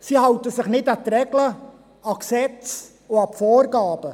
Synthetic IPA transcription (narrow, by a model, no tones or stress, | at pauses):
sihɑwtəsɪχnɪtɑt̪rɛɡlə | ɑksɛt͡s | oɑpfoːɾɡɑːb̥ə